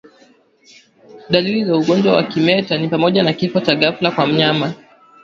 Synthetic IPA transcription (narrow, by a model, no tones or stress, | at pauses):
ɗalilizauɠɔnd͡ʒwawa̰kimɛtanipamɔʄanakifɔt͡ʃaɠaflakwam̩ɲama